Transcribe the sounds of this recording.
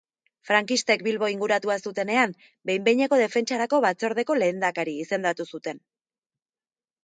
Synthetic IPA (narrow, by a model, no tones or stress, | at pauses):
fɾaŋkist̪e̞kbilβo̞iŋɡuɾat̪uasut̪e̞ne̞am | be̞jmbe̞jɲeko̞ð̞e̞fe̞nt͡ʃaɾako̞βat͡so̞ɾð̞e̞ko̞le̞ːnd̪akaɾiːse̞nd̪at̪usut̪e̞n